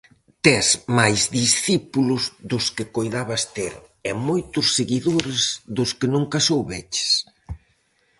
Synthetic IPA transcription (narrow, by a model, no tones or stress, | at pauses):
t̪ɛsmajzðisθipulʊzðʊskɪkojðaβɐst̪eɾ | ɛmojt̪ʊsːeɣiðoɾɪzðʊskɪnũŋkasowβɛt͡ʃɪ̥s